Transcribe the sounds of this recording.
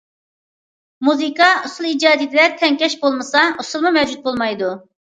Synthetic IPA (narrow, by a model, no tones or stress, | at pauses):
muzikɑusulˠiːd͡ʒɑːd̪ijd̪ɪlɛɾt̪ʰɛŋkʲɛʃbolˠmɨsɑusulˠmumɛwd͡ʒut̪̚bolˠmɑjd̪u